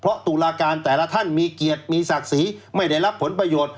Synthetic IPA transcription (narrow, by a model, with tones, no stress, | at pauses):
pʰɾɔ˦˥ʔt̪uː˨˩laː˧kaː˧nt̪ɛː˨˩la˦˥t̪ʰa˥˩nmiː˧ki˨˩ət̪̚miː˧sa˨˩k̚siː˩˦ma˥˩jda˥˩jɾa˦˥pʰːo˩˦npɾa˧joː˨˩t̪̚